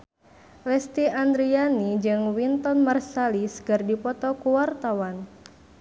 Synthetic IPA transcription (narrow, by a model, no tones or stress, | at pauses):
lɛst̪iand̪ɾianid͡ʒɨŋwint̪ɔnmarsalisə̥ɡɨrdipɔt̪ɔkuwart̪awan